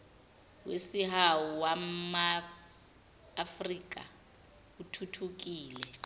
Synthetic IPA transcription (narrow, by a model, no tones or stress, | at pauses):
wḛsihawuwama | friːk̬ʼa̰ | utʰutʰuk̬iːlɛ